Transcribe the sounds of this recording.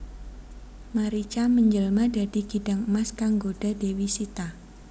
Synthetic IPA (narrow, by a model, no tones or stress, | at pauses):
maɾit͡ʃaməɲd͡ʒəlmada̤d̥i̤ɡ̥ida̤ŋəmaskaŋɡod̥a̤dewisit̪a